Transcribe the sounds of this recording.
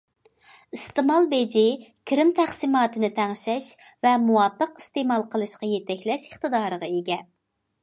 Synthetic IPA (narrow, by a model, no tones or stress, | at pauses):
ist̪ɨmɑlˠbed͡ʒikʲʰɪɾɪmt̪ʰæχsimɑːt̪ɨnɨt̪ʰɛŋʃɛʃvɛmuwɑpːəqist̪emɑlˠqəlˠɨʃqɑjet̪ɛkʲlɛʃəχt̪ɨd̪ɑːɾəʁɑeɡʲɛ